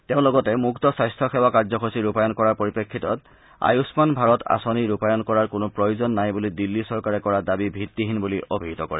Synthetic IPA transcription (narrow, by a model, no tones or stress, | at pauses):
teʊ̃lɔɡɔtɛmuktɔsajstʰɔxɛwakaɹzɔxʰosiɹupajɔnkɔɹaɹpoɹipekʰːitɔt | a̰jusmanbʱaɹɔtʰa̰soniɹupajɔnkɔɹaɹkʊnʊpɹɔjuzɔnːajbulidilːisɔɹkaɹɛkɔɹadabibʱitːiɦinbuliʔobʱiɦitɔkɔ̰ɹɛ